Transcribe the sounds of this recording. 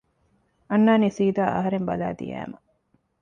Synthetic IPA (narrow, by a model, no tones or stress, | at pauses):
ɐnːaːnisiːd̪aːʔɐ̰ɦɐɾembɐla̰ːd̪ḭjæ̰ːmɐ